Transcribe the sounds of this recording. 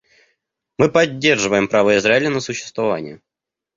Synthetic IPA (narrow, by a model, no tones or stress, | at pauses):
mɨpɐdʲːe̞rʐɨvəjɪmpɾavəɪzɾaɪlʲənəsʊɕːɪ̥st̪vɐva̰nʲɪ̰jʊ